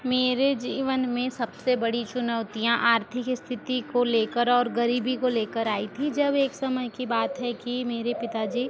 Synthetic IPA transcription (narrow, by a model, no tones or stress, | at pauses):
meːɾed͡ʒiːʋənmẽsɐbsebɐɽit͡ʃʊnəʊt̪ijãʔaːɾt̪ʰɪkɪst̪ʰɪt̪ikoleːkəɾɔːɾɡəɾiːbikoleːkəɾaːit̪ʰid͡ʒɐbeːksɐməjkibaːt̪ɦɛkimeːɾepɪt̪ad͡ʒiː